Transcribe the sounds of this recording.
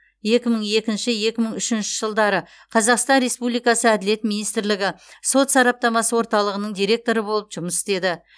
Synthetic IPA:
je̞kʲɪməɴe̞kʲɪnʃɪje̞kʲɪməɴʏʃɪnʃɪʒ̥əlˠd̪ɑɾə | qʰɑzɑqst̪ɑnɾe̞spublijkɑsəæd̪ɪle̞t̪mijnijst̪ɪɾlɪɡʲɪso̞t̪sɑɾɑp̚t̪ɑmɑsəwo̞ɾt̪ɑlˠəʁənəɴd̪ijɾʲe̞k̚t̪o̞ɾəbo̞lˠəpʒ̥ʊməsɪst̪e̞d̪ɪ

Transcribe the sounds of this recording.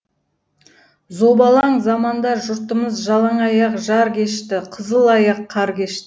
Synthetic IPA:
zobɑlˠɑɴzɑmɑnd̪ɑʒʊɾt̪əməzʒɑlˠɑɴɑjɑqʒɑɾkʲe̞ʃt̪ɪqʰəzəlˠɑjɑqʰːɑɾkʲe̞ʃt̪ɪɪ

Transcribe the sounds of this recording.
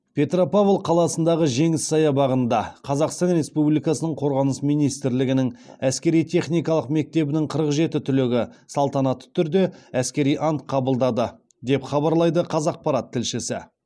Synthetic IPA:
pʲʰe̞t̪ropavlˠqʰɑlˠɑsənd̪ɑʁəʒe̞ŋɪsɑjɑbɑʁənd̪ɑqʰɑzɑqst̪ɑnɾe̞spublijkɑsənəɴqʰo̞ɾʁɑnəsmijnijst̪ɪɾlɪɡʲɪnɪŋæskʲe̞ɾijt̪ʰe̞χnijkɑlˠəqme̞k̚t̪e̞bɪnɪŋqʰəɾəqʒe̞t̪ɪt̪ʰʏlɪɡʲɪsɑlˠt̪ɑnɑt̪ːə̥t̪ʰʏɾd̪e̞æskʲe̞ɾijʔɑnt̪qʰɑbəlˠd̪ɑd̪ə | d̪e̞pχɑbɑɾlˠɑjd̪əqʰɑzɑq̚pɑɾɑt̪ʰːɪlʃɪsɪ̰

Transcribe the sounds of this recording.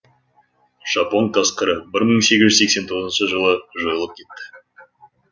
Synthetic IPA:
ʒ̥ɑpo̞nt̪ʰɑsqəɾəbɪɾməɴse̞ɡʲɪʒʏzse̞kse̞nt̪ʰo̞ʁzənʃəʒəlˠəʒo̞jəlˠəp̚kʲʰe̞t̪ːɪ̥

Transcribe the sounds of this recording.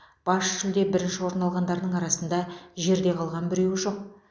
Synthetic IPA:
b̥ɑsʒɪld̪e̞bɪɾɪnʃɪwo̞ɾnɑlˠʁɑnd̪ɑɾd̪əɴɑɾɑsənd̪ɑʒe̞ɾd̪e̞qʰɑlˠʁɑnbɪɾe̞wɪʒo̞q̚

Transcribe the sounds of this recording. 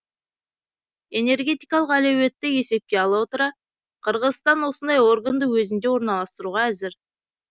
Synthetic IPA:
e̞ne̞rɡʲe̞t̪ijkɑlˠəqælewe̞t̪ːɪe̞se̞p̚kʲe̞ɑlˠɑwo̞t̪əɾɑ | qʰəɾʁəzst̪ɑnwo̞sənd̪ɑjo̞rɡand̪əwɵzɪnd̪e̞wo̞ɾnɑlˠɑst̪əɾuʁɑæzɪɾ

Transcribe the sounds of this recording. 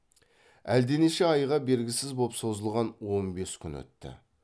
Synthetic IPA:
æ̰ld̪eneʃe̞ɑjʁɑbe̞ɾɡʲɪsɪzbo̞pso̞zəlˠʁɑnwo̞nbe̞skʲʰʏnwɵ̰t̪ːɪ̰

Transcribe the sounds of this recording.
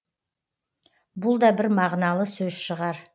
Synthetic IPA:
bʊlˠd̪ɑbɪɾmɑʁnɑlˠəsɵzʃəʁɑɾ

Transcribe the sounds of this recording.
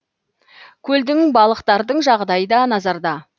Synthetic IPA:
kʲʰɵld̪ɪŋbɑlˠəqt̪ɑɾd̪əɴʒɑʁd̪ɑjəd̪ɑnɑzɑɾd̪ɑ

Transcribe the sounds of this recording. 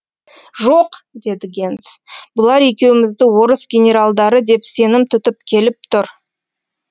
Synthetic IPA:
ʒoqd̪e̞d̪ɪɡʲe̞nt̪sbʊlˠɑɾekʲe̞wɪmɪzd̪ɪwo̞ɾəsɡʲe̞nʲe̞ɾalˠd̪ɑɾəd̪e̞pse̞nɪmt̪ʰʏt̪ɪpkʲʰe̞lɪp̚t̪ʰʊɾ

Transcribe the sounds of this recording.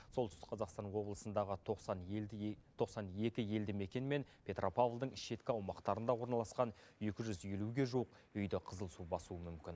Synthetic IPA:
solˠt̪ʏst̪ɪ̥qʰɑzɑqst̪ɑnwo̞blˠəsənd̪ɑʁə | t̪ʰo̞qsɑne̞kʲɪje̞ld̪ɪme̞kʲe̞nme̞npʲʰe̞t̪rʔo̞pavlˠd̪əɴɪʃe̞t̪kʲɪɑwmɑqt̪ɑɾənd̪ɑwo̞ɾnɑlˠɑsqɑne̞kʲɪʒʏzje̞luɡʲe̞ʒuwəq | ʏjd̪ɪqʰəzəlˠsubɑsuəmʏmkʲɪn

